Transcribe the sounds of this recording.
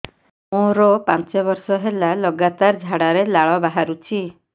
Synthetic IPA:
mõɾɔpãnt͡ʃɔbɔɾsɔɦelalɔɡat̪aɾd͡ʒʱaɽaɾelaɭɔbaɦaɾut͡ʃʰi

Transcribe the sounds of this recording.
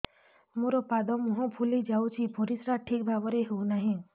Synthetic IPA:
muɾopad̪ɔmuɦɔ̃pʰulid͡ʒawt͡ʃʰibʱoɾisɾaʈʰik̚bʱabɔɾeɦeunaɦĩ

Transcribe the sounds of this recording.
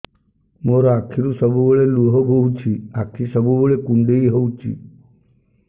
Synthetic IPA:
moɾɔakʰːiɾusəbʱuʋəɭeluɦobʱowt͡ʃʰiakʰisəbʱuʋoɭekuɳɖeiɦowt͡ʃʰḭ

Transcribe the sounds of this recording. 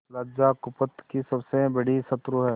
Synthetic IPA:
laːd͡ʒakʊpət̪kisɐbsẽbɐɽ̤isɐt̪ɾuɦɛː

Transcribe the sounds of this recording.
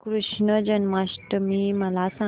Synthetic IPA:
kɾuʂɳəd͡ʑənmasʈəmiːməlasã

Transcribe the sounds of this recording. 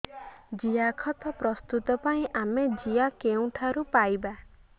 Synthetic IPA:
d͡ʒiakʰɔt̪ʰɔpɾɔst̪ut̪ɔpaĩʔamed͡ʒijakeũʈʰaɾupajba

